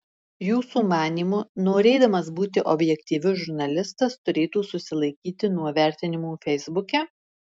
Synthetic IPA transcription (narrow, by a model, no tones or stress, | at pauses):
juːsuːmɑːnʲiːmʊnoːɾʲɛɪd̪ɐmɐsbuːt̪ʲɪʔɔbʲjɛkʲt̪ʲiːʋʲʊʒʊɾnɐlʲɪst̪ɐst̪ʊɾʲeːt̪uːsʊsʲɪlˠɐɪkʲiːt̪ʲɪnuɔʋʲæˑɾʲt̪ʲɪnʲɪmuːfʲɛɪzbʊkʲɛ